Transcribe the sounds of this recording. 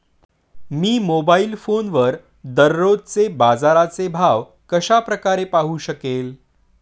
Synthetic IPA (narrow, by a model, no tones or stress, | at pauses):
miːmobailfonʋəɾ | d̪əɾːodt͡sebad͡zaɾat͡sebʱaʋ | kəɕapɾəkaɾepaɦuːɕəkel